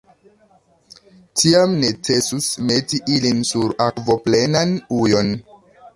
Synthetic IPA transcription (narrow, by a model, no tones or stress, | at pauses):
tʰiamne̞t͡se̞susme̞tiʔilinsuɾakvo̞ple̞nanujo̞n